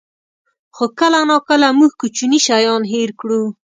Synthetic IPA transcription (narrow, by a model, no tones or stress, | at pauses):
xokəlanɑkəlamuɡkut͡ʃuniʃajɑnɦeɾkɽu